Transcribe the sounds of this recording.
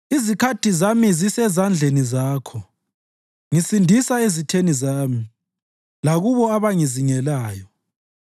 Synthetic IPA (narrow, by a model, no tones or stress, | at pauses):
izikʰatʰizamizisɛzand͡ɮʱenizaːkʰɔ | ŋisindʱisaezitʰenizaːmi | laɣuβɔaβaŋiziŋɛlaːjɔ